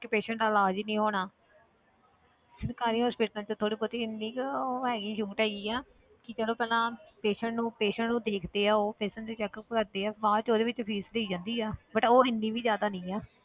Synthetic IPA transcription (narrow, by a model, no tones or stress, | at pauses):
kɪpeːʃə̃ɳʈaːlaːd͡ʒinĩːɦoːɽ̃aː | sənkaːɾiːɦospɪʈːãt͡ʃət̪ʰoːɽiːpət̪iɪnːiːkːɦɛːɡiːʃuːʈaːiːɛː | kɪt͡ʃəloːpɛːlãːpeːʃəɳʈnũːpeːʃəɳʈnũːd̪eːkʰd̪eːɛːoːpeːsəɳd̪eːt͡ʃɛːkkəɾd̪eːɛːʋaːt͡ʃoːd̪eːʋɪt͡ʃpʰiːsleːiːd͡ʒãːnd̪iːɛːbəʈoːɪnːiːbiːzjaːd̪aːnɪĩːɛː